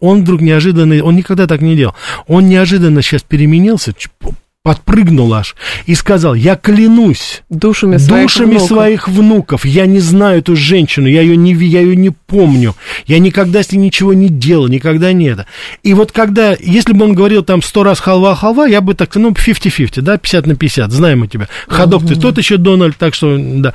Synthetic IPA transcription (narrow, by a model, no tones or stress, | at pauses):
o̞nvd̪ɾuknʲɪɐʐɨd̪ənːəo̞nnʲɪkɐɡd̪at̪aknʲɪdʲeləlˠo̞nnʲɪɐʐɨd̪ənːəɕːaspʲɪɾʲɪmʲɪnʲilˠsʲə | pɐt̪̚prɨɡnʊlˠa̰ʂiskɐzɑlˠjaklʲɪnusʲd̪uʂəmʲɪd̪uʂɨmʲɪsvɐixvnukəfjanʲɪznajʊɛt̪uʐɛnʲɕːɪnʊjaɪjonʲɪvʲijaɪjonʲɪpo̞mnʲʊjanʲɪkɐɡ̚d̪aesʲlʲɪnʲɪt͡ɕɪvo̞nʲɪdʲelˠəlˠnʲɪkɐɡd̪anʲet̪əivo̞t̪kɐɡd̪ajesʲlʲɪbɨo̞nɡəvɐɾʲilˠt̪amst̪o̞ɾasxɐlˠvalˠxɐlˠvajabɨt̪ak̚nufʲiftʲɪfʲiftʲɪd̪apʲɪ̥sʲat̪nəpʲɪɪsʲat̪znajɪmʊtʲɪbʲaxɐd̪okt̪ɨt̪o̞t̪jɪɕːod̪o̞nəlʲd̪̚t̪akʂt̪od̪a